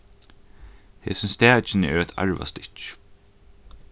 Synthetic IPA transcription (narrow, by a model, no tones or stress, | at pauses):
heːsɪnst̪æːt͡ʃɪnəɛɹɛt̪ʰa̰ɹva̰st̪ɪ̥t͡ʃ